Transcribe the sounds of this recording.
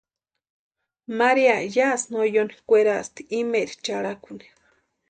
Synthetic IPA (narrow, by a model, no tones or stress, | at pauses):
maɾiajasnojonikʷeɾast̪i̥imeɾit͡ʃaɽakuni̥